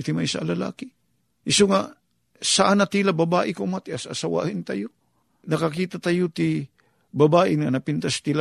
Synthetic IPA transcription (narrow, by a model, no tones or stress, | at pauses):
ɪt̪ɪmaʔisa̰ʔlala̰ːkɪ | ʔɪsoŋa | saʔanat̪ilabɐbaːʔɪkomat̪ɪʔasa̰sawa̰hɪnt̪ajo | nɐkakiːt̪at̪ajot̪ɪ | bɐbaːʔɪnŋanɐpɪnt̪ast̪ila